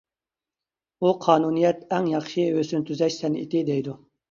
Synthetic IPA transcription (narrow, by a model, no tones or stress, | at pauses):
uqʰɑːnunijɛt̪ɛŋjɑχʃiøsynt̪ʰyzɛʃsɛnḭt̪ɪd̪ɛjd̪u